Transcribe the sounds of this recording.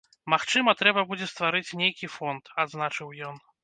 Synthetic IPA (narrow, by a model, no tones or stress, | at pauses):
maxt͡ʂɨmɐt̪ɾɛbɐbud͡zʲɛst̪vaɾɨt͡sʲnʲejkʲifɔnt̪ad̪znat͡ʂɨwjɔn